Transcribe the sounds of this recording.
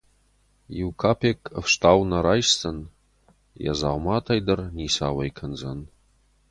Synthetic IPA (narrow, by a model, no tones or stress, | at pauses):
iwkʰapʰekʰʼəfʂtʰawnaɾajst͡sʰʼɨn | ja̰zawmatʰajdɨrnisawajkʰənd͡za̰n